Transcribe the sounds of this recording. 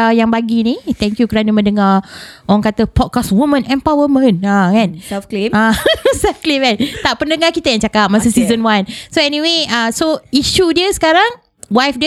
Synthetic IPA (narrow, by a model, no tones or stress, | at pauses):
jaŋbaɡinit̪ɛŋkjukəɾanəmə̃ndəŋaʔoɾaŋkat̪əpɔd̚kaswumə̃nɛmpawəmə̃nakanafkliasafklimat̪aʔpəndəŋakit̪ajaŋt͡ʃakat̪̚masəsizənwansoɛniweasoiʃudiəsə̥kaɾaŋ | wajfd